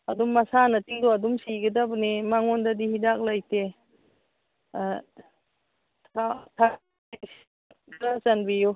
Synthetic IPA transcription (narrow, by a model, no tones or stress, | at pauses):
ɐdumːasanɐtiŋdɔɐdumsiɡɐdabnemaŋɔndadihidak̚lajte | atʰa | s | kɾasanbijo